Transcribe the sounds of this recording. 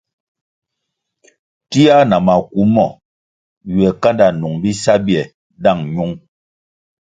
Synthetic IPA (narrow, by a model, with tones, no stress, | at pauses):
ti˦a˦na˨ma˨ku˨˦mɔ˨ | ɥɛ˨ka˦nda˨nu˨ŋbi˦sa˦bɛ˨ | da˦˨ŋɲu˦ŋ